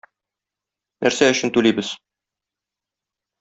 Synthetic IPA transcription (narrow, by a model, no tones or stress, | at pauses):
nʔæɾsæɵ̆ɕɘ̆nt̪ʉlijbɘz